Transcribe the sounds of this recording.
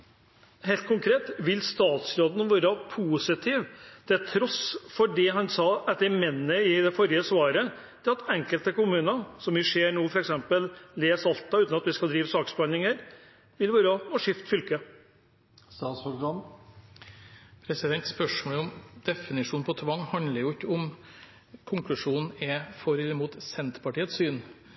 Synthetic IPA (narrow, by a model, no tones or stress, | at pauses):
heɪlt̪̚kʰʊŋkʰɾeːt̪ʋɪlst̪ɑːt̪sɾoːd̪n̩ʋøːɾəpʰuːsɪt̪ʰiːʋt̪ʰɛlt̪ʰɾɔsfɔɖɪɦɑnsɑːɛt̪ːəɾmɛnːəɪd̪ɛfɔɾɪəsʋɑːɾə | t̪ʰɪlɑt̪ɛŋkəlt̪əkʊmʉːnəsɔmɪʂeːɾɳuːfɔɾɛksɛmpəlːeːsɑlt̪ɑʉːt̪nɑt̪ʋɪskɑld̪ɾiːʋəsɑːksbɑnɪŋəɾ | ʋɪlʋøːɾəɔʂɪft̪fʏlkə | st̪ɑːt̪sɔɾɡɑn | pʰɾɛsɪd̪ɛnt̪spœʂmoːləɔmd̪ɛfɪnɪʂuːnpʰɔt̪ʰʋɑŋːhɑnd̪ləɾjʊɪkːəɔm | kʰʊŋklʉʂuːnn̩ɛfɔɾɛmuːt̪sɛnt̪pʰɑʈiːət̪syːn